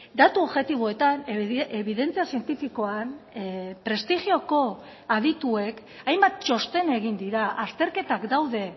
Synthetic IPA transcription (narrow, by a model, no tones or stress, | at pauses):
d̪at̪uoβʝe̞t̪iβ̞o̞e̞t̪aneβiðe̞nt͡siasie̞nt̪ifiko̞anpɾe̞st̪ixio̞ko̞ | aðit̪ue̞k | ajmbat̪̚t͡ʃo̞st̪e̞ne̞ɣ̞ind̪iɾaʔast̪e̞ɾke̞t̪akd̪awðe̞